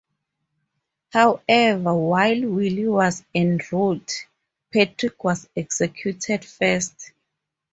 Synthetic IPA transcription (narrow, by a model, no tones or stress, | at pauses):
hawɛvawajlwiliwɔzɛ̃nɹut | pʰɛtʰɹikʰwɔzɛksɛkʰjutʰɛdfɛst